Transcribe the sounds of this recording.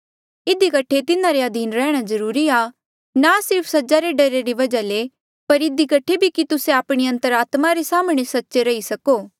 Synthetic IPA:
ɪd̪ikɐʈʰet̪ɪnãɾeɐd̪ʱiːnɾɛːɽ̃azɐɾuːɾia | nasɪɾpʰsɐd͡ʒaɾeɖɐɾeɾiʋɐd͡ʒale | pɐɾɪd̪ikɐʈʰebʱikit̪ʊseaːpɽ̃eɐ̃nt̪əɾaːt̪maɾesaːmɽ̃esɐtːʃeɾɐisɐkoː

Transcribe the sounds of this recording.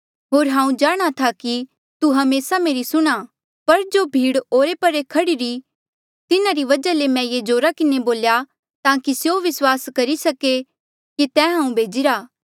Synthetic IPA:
ɦoːɾɦãːũd͡ʒaːɽ̃at̪ʰaki | t̪uɦɐmeːsameːɾisʊɽ̃a | pɐɾd͡ʒoːbʱiːɽoːɾepɐɾekʰɐɽiɾi | t̪ɪnaɾiʋɐd͡ʒalemɛ̃jed͡ʒoːɾakɪneboːlja | t̪ãːkisjoʋɪswaːskɐɾisɐke | kit̪ɛ̃ːɦãːũbʱeːd͡ʒiɾaː

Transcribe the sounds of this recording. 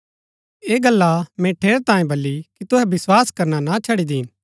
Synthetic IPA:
eːɡɐlːamɛ̃ʈʰeːɾt̪ãːẽbɐlːikit̪ʊɦɛbɪswaːskɐɾnanat͡ʃʰɐɽid̪iːn

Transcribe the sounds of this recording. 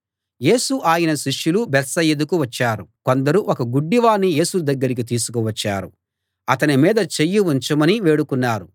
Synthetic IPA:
je̞ːsuʔaːjɐnɐʃiʂjulubɛt̪sɐjɐd̪ukuʋɐt͡ʃːaːɾuko̞nd̪ɐɾuʔɔkɐɡuɖːiʋaːnːije̞ːsud̪ɐɡːɐɾik̬it̪̬iːsu̥kuʋɐt͡ʃːa̰ːɾu | ɐt̪ɐnimiːd̪ɐt͡ʃejːiuɲt͡ʃɐmɐniʋe̞ːɽukunːaːɾu

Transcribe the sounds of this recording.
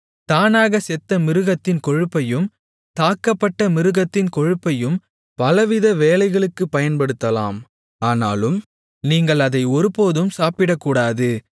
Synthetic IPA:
t̪aːnaːɣɐsɛt̪ːɐmɪɾɯɣɐt̪ːɪnkɔɻɯpːɐjɯm | t̪aːkːɐpːɐʈːɐmɪɾɯɣɐt̪ːɪnkɔɻɯpːɐjɯm | pɐlɐʋɪðɐʋeːlɐɪɣɐɭɯkːɯpːɐjɐnpɐɽɯt̪ːɐla̰ːm | aːnaːlɯm | niːŋɡɐɭɐðɐɪɔɾɯpoːðɯmsaːpɪɽɐkːuːɽaːðɯ

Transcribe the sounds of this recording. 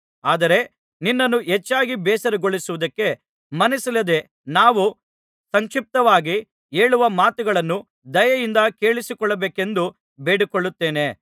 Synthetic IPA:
aːd̪ɐɾe̞ | ninːɐnːuɦet͡ʃːaːɡibɛːsɐɾeɡoɭisuʋud̪ɐkːe̞ | mɐnisɐlɐd̪e̞ | naːʋu | sɐŋkʃip̚t̪ɐʋaːɡi | e̞ːɭuʋɐmaːt̪uɡɐɭɐnːu | d̪ɐjɐjind̪ɐke̞ːɭisikɔɭːɐbeːke̞nd̪u | beːɽikoɭːut̪ːe̞ːne̞

